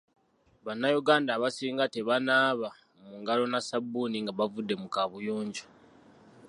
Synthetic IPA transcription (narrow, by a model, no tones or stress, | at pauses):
βanːajuɡaːndaːβasiːŋɡateβanaːβa | muŋɡalo̞nasabːuniŋɡaβavudːe̞mukaβujoːɲɟo